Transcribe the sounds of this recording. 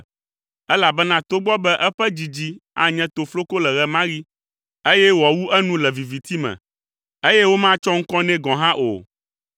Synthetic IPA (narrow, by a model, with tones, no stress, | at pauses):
ɛ˦la˨bɛ˦nã˦t̪o˦ɡ͡bɔ˦bɛ˦ʔɛ˦ɸɛ˦d͡ʑi˨d͡ʑi˦a̰˨ɲɛ̃˦t̪o˨flo˦ko˦lɛ˨ɣɛ˦mã˦ɣi˦ | e˦jɛ˦wɔ˨wu˦ʔɛ˦nũ˦lɛ˨vi˨vi˨t̪i˦mɛ̰̃˨ | e˦jɛ˦wo˦mã˦t͡ʃɔ˦ŋ̩˦kɔ̃˦nɛ̃˦ɡɔ̃˨ɦã˦ʔo̰˨